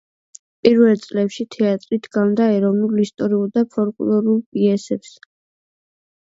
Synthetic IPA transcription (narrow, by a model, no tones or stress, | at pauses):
pʼiɾvɛlt̪sʼlɛpʃit̪ʰɛat̪ʼɾit̪ʰɡannd̪aɛɾɔvnulist̪ʼɔɾiuld̪apʰɔɾkʼlɔɾulˠpʼiɛsɛps